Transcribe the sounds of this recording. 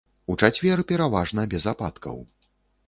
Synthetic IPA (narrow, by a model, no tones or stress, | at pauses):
ut͡ʂat͡sʲvʲɛrpʲɛɾavaʐnɐbʲɛzapa̰t̪kʰɐ̰w